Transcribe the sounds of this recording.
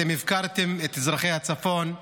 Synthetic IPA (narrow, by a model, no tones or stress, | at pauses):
ɛmivkaɾt̪ɛmɛt̪ɛzʁaχejhat͡safon